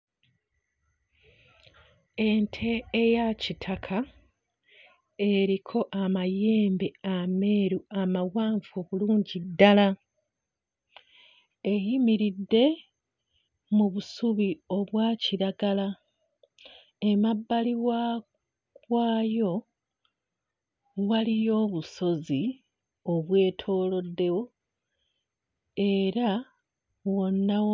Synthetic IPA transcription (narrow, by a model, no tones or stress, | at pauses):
e̞ntʰe̞ːjacitʰakʰa | e̞ɾikʰo̞ʔamaje̞ːmbe̞ame̞ːɾuamawaːɱvo̞βuluːɲɟidːala | e̞ɦimiɾidːe̞ | muβusuβio̞βwaːciɾaɡala | e̞mabːaliwa | kwaːjo̞ | walijo̞ːβuso̞zi | o̞βwe̞ːtʰo̞ːlo̞dːe̞wo̞ | e̞ɾa | wo̞nːa